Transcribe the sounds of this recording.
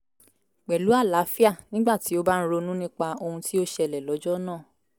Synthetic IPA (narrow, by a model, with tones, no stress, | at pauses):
k͡pɛ˨lu˨˦a˦˨la˨˦fi˦a˦˨nĩ˦ɡ͡ba˦˨ti˨˦o˦ba˦ñ̩˦ɾo˧nũ˦nĩ˦k͡pa˧o˧hũ˧ti˦o˦ʃɛ˧lɛ˨lɔ˨˦d͡ʒɔ˦nãː˦˨